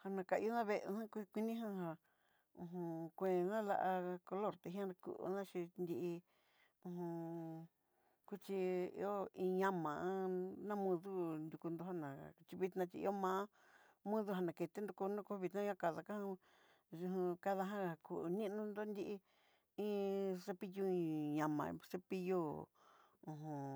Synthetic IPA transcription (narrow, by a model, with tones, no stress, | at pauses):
ha˧nã˧˨ka˧˨ʔḭ˧o˦nã˦βe˧ʔnã˦kʷi˦˧kʷi˧nĩ˦ɦã˦ɦa˧ | ũ˧ɦũ˧kʷẽ˨˧nã˦la̰˧ʔa˧ko˧lo˦˨ɾt̪e˧ɦĩ˦ã˦˧kṵ˧˨ʔnã˦ʃi˧nd̪i˧ʔi˧ | ũ˧ɦũ˧ | ku˦t͡ʃi˧ḭ˧˦o˦ĩ˧ɲã˦mã˨ʔã˧˦nã˦mũ˧ðu˦nd̪u˧ku˧nd̪o˧ha˦˧nã˨t͡ʃi˧βi˧t̪nã˧t͡ʃi˧ḭ˧˦o˦mãː˦ | mũ˦ðu˧ɦa˧nã˨ke˧t̪e˦nd̪u˧ku˧nũ˦ku˧˦˧βi˧t̪nã˦ã˦ka˨ða˧kã˦˧ | ʒũ˧ɦũ˧ka˧ða˧ɦã˦˨a˨ku˨˧nĩ˦nũ˧nd̪o˦nd̪i˦˧ʔi˧ | ĩ˦se˧pi˦˧ju˦˧ĩ˧ɲã˨mã̰˨˧se˦pi˧ju˦ | ũ˧˨ɦũ˨˧